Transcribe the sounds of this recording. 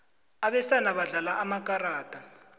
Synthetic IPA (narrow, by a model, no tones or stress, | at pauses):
aɓɛsanaɓaɮalaʔamak̬ʼaraːtʼa